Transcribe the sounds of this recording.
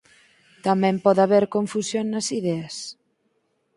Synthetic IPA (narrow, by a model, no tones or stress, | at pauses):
t̪amẽmpɔðaβeɾkoɱfusjonːɐsiðɛəs